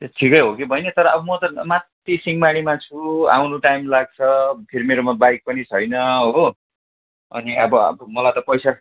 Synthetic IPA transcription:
eʈʰikʌjɦokibʱʌjnʌt̪ʌɾʌʌbʌmʌt̪ʌmat̪ːisiŋmaɽ̃imat͡sʰua̰wnuʈajmlaɡ̚t͡sʰʌpʰeɾimeɾomabajk̚pʌnit͡sʰʌjnʌʌo | ʌ̰niʌbʌʌ̰bmʌlajt̪ʌpʌjsa

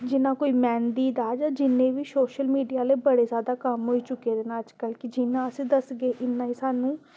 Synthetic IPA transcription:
d͡ʒɪnãːkoːiːmɛːnd̪iːd̪aːd͡ʒaːd͡ʒɪnːẽːʋiːsoːʃəlmiːɖijaːleːbəɽeːzjaːd̪aːkəmɦoːiːt͡ʃʊkːeːd̪eːnaːəd͡ʒkəlkɪd͡ʒɪnːãːəsĩːd̪əsɡeːʔɪnːãːiːsaːnũː

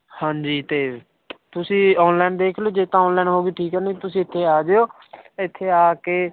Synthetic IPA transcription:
hãːɲd͡ʒiːt̪eː | t̪ʊsĩːɔːnlaːnd̪eːkʰloːd͡ʒeːt̪ãːɔ̃ːnlaːnɦoːɡiːʈʰiːkɦɛnt̪ʊsĩːɪt̪ʰːeːaːd͡ʒeːoː | ɪt̪ʰːeːaːkeː

